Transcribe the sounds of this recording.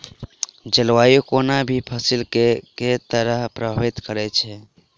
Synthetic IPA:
d͡ʒəlwajokonabʱipʰəsilkeket̪əɾəɦpɾəbʱəbit̪kəɾɛt͡ʃʰɛ

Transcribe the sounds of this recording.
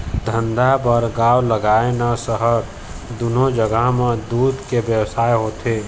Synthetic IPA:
d̪ʱə̃nd̪abəɾɡaːwləɡaːenasəɦəɾ | d̪ʊnod͡ʒəɡəɦmẽd̪uːd̪kebjəwsaːjɦoːt̪ʰeː

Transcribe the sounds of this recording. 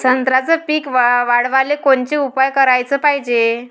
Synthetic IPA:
sənt̪ɾat͡səpiːkʋʋaɽʋalekoɳt͡ɕiupajkəɾajt͡səpaɦid͡ʑe

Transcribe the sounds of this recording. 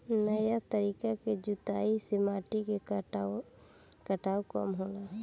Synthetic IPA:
nəjat̪əɾiːkaked͡ʒʊt̪aːisɪmaːʈike | kəʈaːwkə̰mɦoːna

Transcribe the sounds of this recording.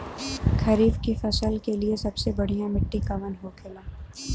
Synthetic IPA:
kʰɐɾiːbkifɐsəlkeliesɐbsebɐɽ̤ijãmɪʈːikaʋɐnɦokʰɪlaː

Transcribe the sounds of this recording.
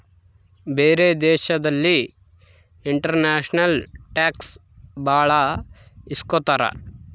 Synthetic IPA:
beːɾeːd̪ɛːʃɐd̪ɐlːi | iɳʈɐɾnaːʃnɐlʈaːks | baːɭa | iskot̪aːɾa̰

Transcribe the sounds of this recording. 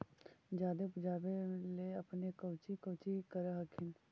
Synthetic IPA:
d͡ʒaːd̪epʊd͡ʒaːbeleɐpnekɐwt͡ʃikɐwt͡ʃikəɾəɦɐkʰɪn

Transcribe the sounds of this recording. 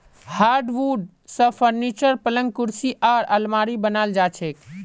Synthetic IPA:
haːɾɖʋuɖ | sə̃pʰəɾnit͡ʃəɾpələ̃ŋɡ̚kuɾsiʔaːɾəlmaɾibənald͡ʒaːt͡ʃʰek

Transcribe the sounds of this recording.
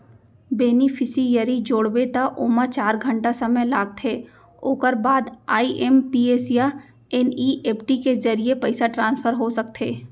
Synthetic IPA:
beːnifʰɪsijɐɾid͡ʒoːɽbet̪aʔoːmat͡ʃaːɾɡʱə̃ɳʈasɐməjlaːɡ̚t̪ʰeː | oːkəɾbaːd̪aːiʔɛmpiːeːsija | ɛniʔeːpʈikezɐɾiepɐɪsaʈɾãːnsfʰəɾɦosɐk̚t̪ʰeː

